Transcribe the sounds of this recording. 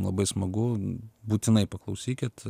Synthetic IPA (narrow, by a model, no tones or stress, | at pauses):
mlˠɐbɐɪsmɐɡʊbuːt̪ʲɪnɐɪpɐklˠɐʊsʲiːkʲɪt̪